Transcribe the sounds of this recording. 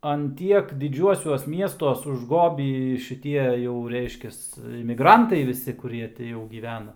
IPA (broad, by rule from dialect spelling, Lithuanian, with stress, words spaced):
ɐn ˈtʲiɛk dʲɪˈd͡ʒʲuɔsʲuɔs ˈmʲiɛstuɔs ʊʒˈɡoːbʲiː ʃʲɪˈtʲiɛ jɛʊ ˈrʲɛɪʃʲkʲɛs ɪmʲɪˈɡrɐntɐɪ ˈʋʲɪsʲɪ kʊˈrʲiɛ tʲɪ jɛʊ ɡʲiːˈʋʲæːnɐ